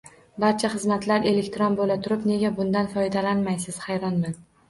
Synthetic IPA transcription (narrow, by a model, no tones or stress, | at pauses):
baɾt͡ʃʰaχɨzmat̪ʰlaɾe̞lekʲt̪ʰɾɒnbolat̪ʰʊɾɪpne̞ɡʲabʊnd̪anfɒjd̪alanmajsɪz̥hajɾɒnman